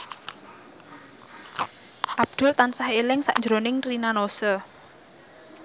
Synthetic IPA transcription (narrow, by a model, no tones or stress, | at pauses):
ʔab̚d̪̥ʊ̤lt̪ansahelɪŋsa̰ʔnɲd͡ʒɾonɪŋrinanosɔ